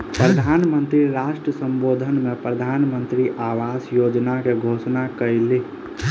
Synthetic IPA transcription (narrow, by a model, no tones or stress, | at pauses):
pɾəd̪ʱaːnmənt̪ɾiɾaʃʈɾəsə̃mbod̪ʱənmepɾəd̪ʱaːnmənt̪ɾiʔaːʋaːsjod͡ʒnakeɡʱosnakəɪle